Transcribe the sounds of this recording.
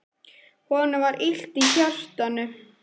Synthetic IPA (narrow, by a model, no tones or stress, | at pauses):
hɔnavaɾʔil̥t̪içœr̥t̪anʏ